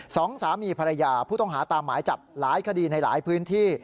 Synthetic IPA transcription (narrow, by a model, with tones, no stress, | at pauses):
sɔː˩˦ŋsaː˩˦miː˧pʰa˧ɾa˧jaː˧pʰuː˥˩t̪ɔ˥˩ŋɦaː˩˦t̪aː˧mːaː˩˦jt͡ɕa˨˩p̚laː˩˦jkʰa˧diː˧na˧jla̰ː˩˦jpʰɯː˦˥nt̪ʰiː˥˩